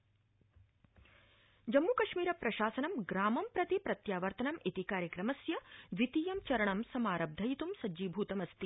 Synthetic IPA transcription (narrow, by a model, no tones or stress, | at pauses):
d͡ʒɐmːukɐʂmiːɾɐpɾɐʃaːsɐnɐmɡɾaːmɐmpɾɐt̪ipɾɐt̪jaːʋɐɾt̪ɐnɐmʔit̪ikaːɾjɐkɾɐmɐsjɐʋit̪iːjɐmt͡ʃɐɾɐɳɐmsɐmaːɾɐb̚d̪ʱɐjit̪umsɐd͡ʒiːbʱuːt̪ɐmɐst̪i